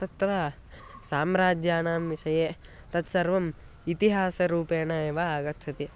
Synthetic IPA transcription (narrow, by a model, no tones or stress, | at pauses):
t̪ɐt̪ʋaː | saːmɾaːd͡ʒjaːnaːmʋiʃɐjeː | t̪ɐt̪sɐɾʋɐm | it̪iɦaːsɐɾuːpeːnɐeːʋaaːɡɐt̪ʃʰɐt̪i